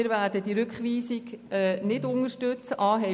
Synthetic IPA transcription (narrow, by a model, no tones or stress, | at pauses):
ɪɾvæːdəd̥iɾʏkχʋiːsikɛːnɪdʊnəʃtʏt͡səʔɑːɦɛ